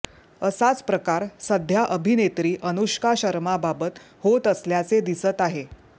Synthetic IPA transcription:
əsat͡spɾəkaɾsəd̪ʱjaʔəbʱinet̪ɾiːʔənuɕkaɕəɾmababət̪ | hot̪əsljat͡sed̪isət̪aɦe

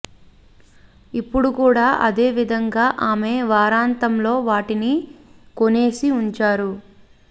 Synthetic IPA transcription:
ipːuɽukuːɽaːʔɐd̪e̞ːʋid̪ʱɐŋɡaːʔaːme̞ːʋaːɾaːnt̪ɐmlo̞ːʋaːʈinikone̞ːsiuɲt͡ʃaːɾu

